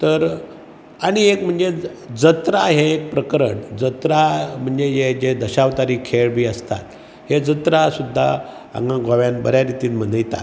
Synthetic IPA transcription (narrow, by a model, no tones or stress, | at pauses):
t̪əɾ | aɽ̃iekm̤əɳd͡zed͡zət̪ɾaɦeːk̚pɾəkəɾəɳd͡zət̪ɾam̤əɳd͡zejed͡ʑed̪əɕaʋt̪aɾiːkʰeɭbʱiːəst̪a̰t̪ | hed͡zət̪ɾasud̪ʱːa | a̰ŋɡãɡʱaʋjanbə̰ɾjaɾit̪iːnm̤ənəjt̪a̰